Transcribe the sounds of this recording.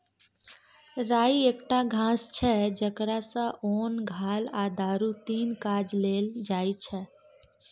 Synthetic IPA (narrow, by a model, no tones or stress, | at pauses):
ɾaːieːkʈaɡʱãːst͡ʃʰɛd͡ʒəkɾasə̃ʔoːnɡʱaːlaːd̪aːɾũt̪iːnkaːd͡ʒleːld͡ʒaːit͡ʃʰɛ